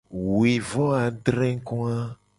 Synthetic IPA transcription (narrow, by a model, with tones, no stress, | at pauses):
wi˨vɔ˦a˨ɖɾɛ̃˦ŋ˦kɔ̃˦a˦